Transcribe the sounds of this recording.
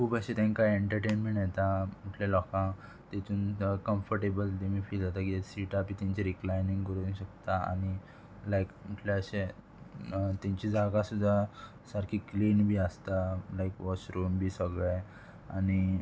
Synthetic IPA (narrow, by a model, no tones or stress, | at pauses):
kʰuːbəɕet̪ẽŋkaeɳʈəɾʈenmeɳʈjet̪am̤uʈʰljalɔkã | t̪et͡s̪uːnkəmfəɾʈebəlt̪emiːfiːld͡zat̪akisiʈapiːt̪ãɲt͡ɕeɾiklajnĩŋɡkəɾuːnɕək̚t̪aa̰ñi | lajkmuʈʰlaəɕe | t̪ãɲt͡ɕid͡zaɡãsud̪ʱːa | saɾkʰiːkliːnbʱiːəst̪alajkʋɔsɾuːmbʱiːsəɡɭej | añi